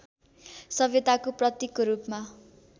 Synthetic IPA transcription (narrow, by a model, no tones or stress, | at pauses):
sʌbjet̪akoprʌt̪jikoɾupma